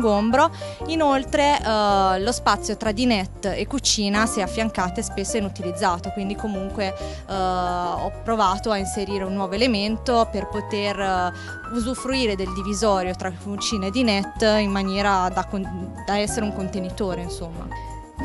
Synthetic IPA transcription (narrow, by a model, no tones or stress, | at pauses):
ɡombɾoinolt̪ɾe | lospat̪sːjot̪ɾad̪inɛt̪ːekːut͡ʃiːnasɛafːjaŋkaːt̪oespesːoinut̪ilid̪zːaːt̪okwind̪ikomuŋkwe | ɔpːɾovaːt̪oainseɾiːɾeunːwɔːvoelement̪operpot̪er | uzufɾuiːɾed̪eld̪ivizɔːɾjot̪ɾakut͡ʃiːnaed̪ːinɛt̪ːimːanjɛːɾad̪akod̪aɛsːeɾeuŋkont̪enit̪oːɾeinsomːa̰